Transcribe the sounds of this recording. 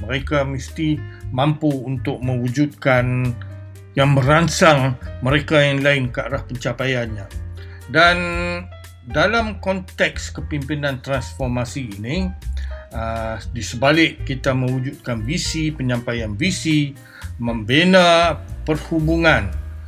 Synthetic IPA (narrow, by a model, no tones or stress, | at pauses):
məɾekamist̪imampuːnt̪ʊk̚mə̃wud͡ʒut̪̚kan | jaŋməɾansaŋməɾekajaŋlaɪnkəa̰ɾahpəɲt͡ʃapajanɲã | dan | dalamkɔnt̪ɛkskəpimpinãnt̪ɾansfɔrmasiːnĩ | ədisəbalɪʔːit̪amə̃wud͡ʒut̪̚kanvisipəɲãmpajanvisi | məmbenapərhubuŋãn